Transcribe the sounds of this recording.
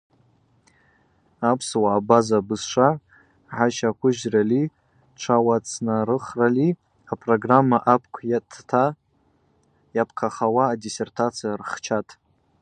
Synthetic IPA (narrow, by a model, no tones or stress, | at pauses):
apʰswaːbazabɨzʂa | ʕaʃakʷʊʒrali | ʈ͡ʂʷʰawat͡sʰnarɨχrali | apʰʼroɡramːaʔapʰkʷʰjatʰtʰa | japʰkʰaχawaːdisertʰat͡sʰijarχt͡ʃʰatʼ